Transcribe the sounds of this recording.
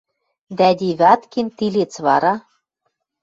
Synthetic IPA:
d̪æd̪ʲiβʲɑt̪kint̪ilet͡sβɑɾɑ

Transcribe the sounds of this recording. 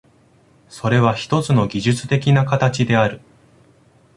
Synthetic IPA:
so̞ɾe̞β̞açi̥t̪o̞t͡sɨno̞ɡʲiʑɨt͡sɨ̥t̪e̞kʲinakat̪at͡ɕid̪e̞aɾɯ̟

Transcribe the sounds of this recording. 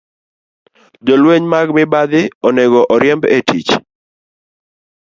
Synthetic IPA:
d͡ʒɔlweɲmaɡmɪbad̪ɪɔnɛɡɔʔɔɾjɛmbḛtʰit͡ʃ

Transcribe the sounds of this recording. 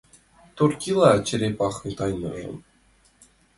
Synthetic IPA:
t̪urkʲilˠɑt͡ɕɘ̆ɾʲepɑχɤ̆t̪ɑjnɤ̰̆rɤ̰̆m

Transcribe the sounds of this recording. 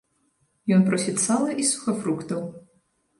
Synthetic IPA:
jɔnpɾɔsʲit̪salˠɐʔisu̥xɐfɾukt̪ɐw

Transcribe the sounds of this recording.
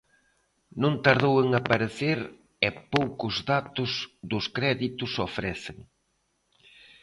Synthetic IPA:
nõnt̪aɾðoweŋapaɾeθeɾ | ɛpowkʊzðat̪ʊzðʊskɾɛðit̪ʊsofɾɛθeŋ

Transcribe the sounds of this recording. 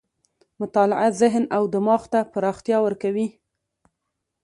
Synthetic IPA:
mʊt̪ɑlɪʔazɪɦnawd̪əmɑxt̪apəɾɑxt̪jɑwəɾkawi

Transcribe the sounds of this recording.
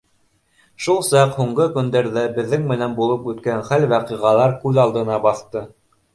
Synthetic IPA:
ʃulˠsɑqhuɴɢɤkɵ̆nd̪æɾðæbɘ̆ðːɘŋmɘ̆nænbulˠɤpʉt̪kænχælwæqiʁɑlˠɑɾkʉðɑlˠd̪ɤ̆nɑbɑθt̪ɤ

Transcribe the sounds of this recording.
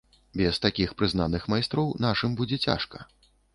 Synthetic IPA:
bʲɛst̪akʲixpɾɨznanɨxmajst̪ɾɔwnaʂɨmbud͡zʲɛt͡sʲa̰ʂkɐ̥

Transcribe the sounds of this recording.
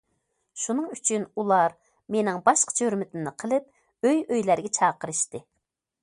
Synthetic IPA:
ʃunɨŋyt͡ʃʰynulˠɑɾ | menɪŋbɑʃqʰɑ̥t͡ʃʰøɾmɪt̪ʰɪmnɪqʰəlˠɨp̚ | øjøjlæɾɡʲɛt͡ʃʰɑːqəɾɨʃt̪ɨ

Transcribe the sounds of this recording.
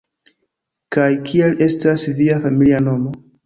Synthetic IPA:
kajkʰie̞le̞stasviafamiliano̞mo̞

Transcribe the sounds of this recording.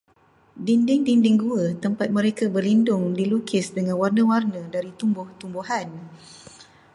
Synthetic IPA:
dindɪŋdindɪŋɡuət̪əmpat̪̚mə̃ɾekabərlindʊŋdilukʰɪsdəŋãnwarnə̃warnə̃daɾit̪umbʊht̪umbuɦan

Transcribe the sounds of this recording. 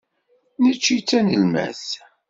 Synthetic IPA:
nət͡ʃːit͡sːænəlmæ̰θ

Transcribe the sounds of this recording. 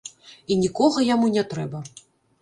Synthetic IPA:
inʲikɔɣɐjamunʲɛt̪ɾɛbɐ

